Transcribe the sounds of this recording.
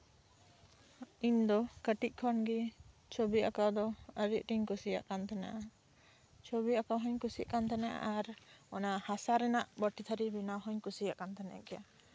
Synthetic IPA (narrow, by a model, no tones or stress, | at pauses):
iɲd̪ɔkəʈic̚ˀkʰɔnɡi | t͡ʃʰobiakawd̪ɔəɾiʔ̚ʈiɲkusija̰ʔkant̪ʰana̰ʔa | t͡ʃʰobiakawɦɔɲkusikant̪ʰanaʔa̰ʔaɾɔnahasaɾɛnaʔbɔʈit̪ʰaɾibinawɦɔɲkusijaʔkant̪ʰanaa̰kɛja